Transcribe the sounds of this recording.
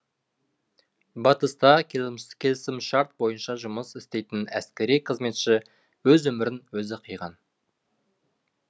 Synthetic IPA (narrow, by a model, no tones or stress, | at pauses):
bɑt̪əst̪ɑkʲʰekʲʰe̞lɪsɪmʃɑɾt̪̚bo̞jənʃɑʒʊməsɪst̪e̞jt̪ɪnæ̰skʲe̞ɾijqʰəzme̞t̪ʃɪ | wɵzwɵmɪɾɪnwɵzɪqʰijʁɑn